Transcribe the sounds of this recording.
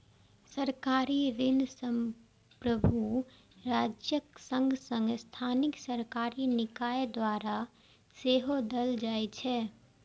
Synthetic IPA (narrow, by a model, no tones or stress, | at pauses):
səɾkaːɾiɾɪnsəm | pɾəbʱu | ɾaːd͡ʒjəksə̃ŋɡʱsə̃ŋɡst̪ʰaːnɪksəɾkaːɾinɪkaːed̪waɾa | seɦod̪əld͡ʒaːjt͡ʃʰɛ